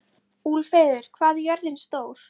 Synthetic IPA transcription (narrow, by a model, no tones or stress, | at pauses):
uːlfeːðʏɾ̥kʰvaːðjœɾðɪnst̪oːwɾ̥